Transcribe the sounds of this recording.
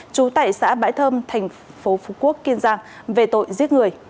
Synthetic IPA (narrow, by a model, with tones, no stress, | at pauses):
t͡ɕu˨˦t̪a̰ː˧˨jsa̰ː˧˥ɓa̰ː˧˥jt̪ʰəː˧mt̪ʰɛ˨˩jŋ̟ | fo˨˦fu˨˩˦ku˦˥əkːi˧ənzaː˧ŋ | ve˨˩t̪o̰˧˨jzi˦˥ət̚ŋɨ˨˩əj